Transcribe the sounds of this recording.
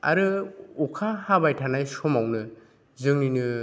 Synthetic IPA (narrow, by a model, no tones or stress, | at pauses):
a̰ɾɯukʰahabajtʰanajsɔmawnɯ | zɯŋninɯ